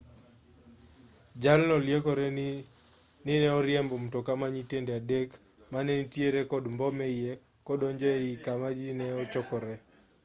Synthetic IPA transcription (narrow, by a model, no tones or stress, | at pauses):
d͡ʒalnɔljekɔɾɛ | nɪnɛɔɾjɛmbɔm̩tɔkamaɲitendɛadek | manɛnitjeɾekɔdmbɔmeje | kɔdɔɲd͡ʒɔeikamad͡ʒinɛɔt͡ʃɔkɔɾɛ